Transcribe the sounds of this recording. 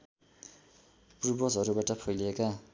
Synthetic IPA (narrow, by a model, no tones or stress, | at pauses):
prubʌsɦʌɾubaʈʌpʰʌjleka